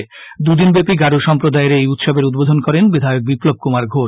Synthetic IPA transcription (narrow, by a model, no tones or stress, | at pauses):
d̪ud̪inbepiɡaɾuʃɔmpɾod̪aeɾejut̪ʃobeɾud̪̚bod̪ʱonkɔɾenbid̪ʱaok̚biplob̚kumaɾɡʱoʃ